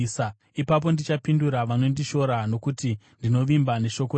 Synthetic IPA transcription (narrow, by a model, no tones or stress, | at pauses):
sa | ipap̬o̞ndit͡ʃapinduɾaʋano̞ndiʃo̞ɾano̞kuti | ndino̞ʋimbane̞ʃo̞ko